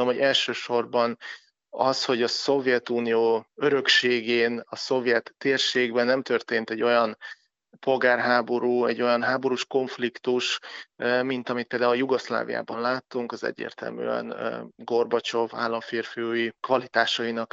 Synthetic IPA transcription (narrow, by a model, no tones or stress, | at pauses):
omoɛlʃøːʃo̞rbɒn | ɒsho̞ɟɒso̞vjɛt̪uːnijoːøɾø̞kʃeːɡeːnɒso̞vjɛt̪ːeːrʃeːɡbɛnːɛmt̪ø̞rt̪eːnt̪ɛɟːo̞jɒn | po̞lɡaːrɦaːbo̞ɾuːɛɟːo̞jɒnɦaːbo̞ɾuʃko̞ɱflikt̪uʃ | mint̪ɒmit̪̚peːld̪aːuljuɡosla̰ːvḭja̰ːbɒnlaːt̪ːuŋkɒzɛ̰ɟːḛːrt̪ɛ̰lmy̰ːɛ̰nɡo̞rbɒt͡ʃo̞va̰ːlːɒɱfeːrfijoːjikvɒlit̪aːʃɒinɒk